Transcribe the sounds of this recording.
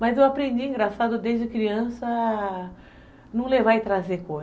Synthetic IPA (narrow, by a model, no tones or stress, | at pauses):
mɐzewapɾẽnd͡ʒiẽŋɡɾasad̪ʊd̪ezd͡ʒɪkɾiɐ̃sɐ | nɐ̃w̃levaɪt̪ɾazeko